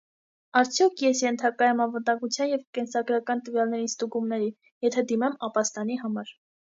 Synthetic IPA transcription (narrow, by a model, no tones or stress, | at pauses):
ɑɾt͡sʰjɔkʰjɛsjɛnt̪ʰɑkɑjɛmɑnvənd̪ɑŋɡut͡sʰjɑnjɛvkɛnsɑɡɾɑkɑnt̪əvjɑlnɛɾinst̪uɡumnɛɾin | jɛt̪ʰɛd̪imɛmɑpɑst̪ɑniɦɑmɑɾ